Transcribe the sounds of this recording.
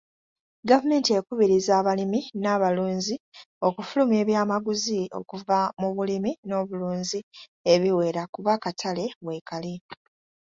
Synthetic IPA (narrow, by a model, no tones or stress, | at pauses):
ɡavume̞ːntie̞kuβiɾizaːβaliminaːβaluːnzi | o̞kufulume̞ːβjaːmaɡuzio̞̰kuvamuβulimino̞ːβuluːnzi | e̞βiwe̞ːɾakuβakatʰale̞βwe̞ːkali